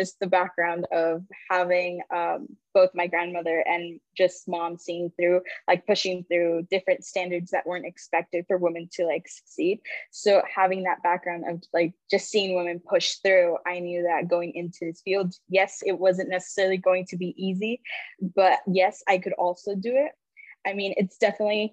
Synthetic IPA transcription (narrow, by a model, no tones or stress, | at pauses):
ʒʌs̚ðɨbæk̚ɡ̥ɹãʊ̃ndʌv̥hævɪ̃ŋʌ̃mb̥oʊθmaɪɡɹæ̃nmʌðə˞ʔɨ̃nd͡ʒʌstmɑ̃msiɪ̃ŋθɹʉlaɪk̚pʰʊʃɪ̃ŋθɹʉdɪfɹɨ̃ntstæ̃ndə˞dzðɨ̰ʔwɜ̃˞ntɨkspɛk̚tɨd̥fə˞wɪ̃mɨ̃ntʰɨlaɪksɨ̥ksid̥̚soʊhævɪ̃ŋðət̚b̥æk̚ɡ̥ɹãʊ̃ndʌ̰vlaɪk̚d̥ʒ̥ʌstsiɪ̃ŋwɪ̃mɨ̃npʰʊʃθɹʉaɪnjʉðɨt̚ɡ̥oʊɪ̃ŋʔɪ̃ntʰʉɪz̥filˠdjɛsɪt̚wʌzɨ̃nːɛsə̥sɛɹl̩ˠiɡoʊɪ̃ŋtʰɨbiʔizib̥ʌɾjɛsaɪkʰɨɾɔlˠsoʊdɨɪt̚ | ʔaɪmĩnʔɪ̰tsd̥ɛfənətˡli